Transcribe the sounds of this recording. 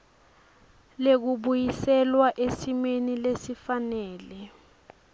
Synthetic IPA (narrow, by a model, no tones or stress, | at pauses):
lek̬uɓujisɛlwaʔesimenilesifanɛːlɛ